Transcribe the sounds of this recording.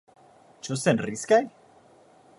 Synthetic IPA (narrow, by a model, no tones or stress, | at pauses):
t͡ʃosenriskaj